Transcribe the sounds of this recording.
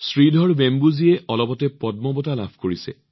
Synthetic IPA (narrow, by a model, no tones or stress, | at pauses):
sɹidʱɔɹbembuziɛɔlɔbɔtɛpɔd̚mɔbɔtalabʰʱkoɹisɛ̰